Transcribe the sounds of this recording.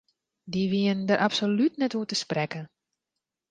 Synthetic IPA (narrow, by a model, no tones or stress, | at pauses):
diʋiəndəɾʔapsolytnɛtuətəsprɛkə